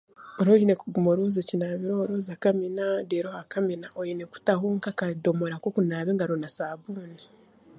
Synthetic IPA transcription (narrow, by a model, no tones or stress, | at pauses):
oɾojinekuɡumoɾozecinaːβiɾooɾoːzakaminadeɾohakaminaʔoineku̥taɦuŋkakado̞moɾakokunaːβeŋɡaɾonasaːβuːni